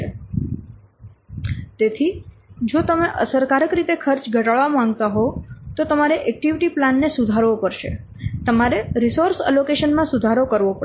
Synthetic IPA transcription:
e | t̪et̪ʰi | d͡ʒot̪əmeʔə̰səɾkaɾəkɾit̪ekʰəɾt͡ʃɡʱəʈaɭʋamãŋɡ̚t̪aɦot̪ot̪əmaɾeʔɛk̚ʈiʋiʈiplanːesud̪ʱaɾʋopəɾʃḛ | t̪əmaɾeɾisoɾsɛ̰lokeʃənmãsud̪ʱaɾokəɾʋopə

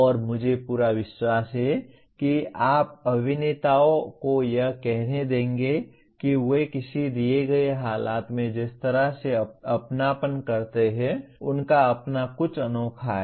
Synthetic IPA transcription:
ɔːɾmʊd͡ʒʱepuːɾaʋɪʃwaːsɦɛ | kiaːp̚ɐbʱɪneːt̪aːõkojɐɦkɛɦned̪ẽːŋɡe | kiʋokɪsid̪ieɡɐeɦaːlʔaːt̪mẽd͡ʒɪst̪əɾaseɐpnaːpənkɐɾt̪eɦɛ̃ʊnkaɐpnakʊt͡ʃʰənɔːkʰaɛ

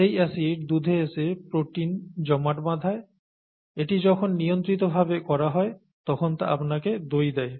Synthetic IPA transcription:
ejɛsiʈ̚d̪ud̪ʱeesepɾoʈind͡ʑɔmaʈbad̪ʱae | eʈid͡ʑɔkʰonːijont̪ɾit̪̬obʱabekɔɾaɦɔe | t̪ɔkʰont̪a̰ʔapnaked̪ojd̪ɛe

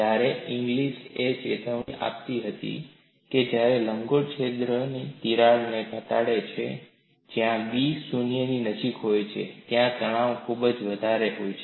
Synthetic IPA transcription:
d͡ʒaɾeʔiŋɡliʃet͡ʃet̪ʰəʋiʔa̰pt̪iɦət̪ḭ | ked͡ʒjaɾeləŋɡoɽt͡ʃʰed̪ɾənit̪iɾaɭnekət̪aɽet͡ʃʰḛ | d͡ʒjãbisunijəninəd͡ʒikɦojt͡ʃʰḛt̪jãt̪əɽ̃ãʋkʰubd͡ʒʋəd̪ʱaɾeɦojt͡ʃʰe

